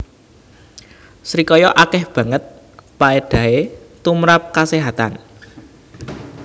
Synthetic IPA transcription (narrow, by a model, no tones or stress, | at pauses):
sɾikɔjɔʔakɛhb̥ä̤ŋət̪̚ | paeɖ̥a̤ɦet̪umɾap̚kaseɦat̪a̰n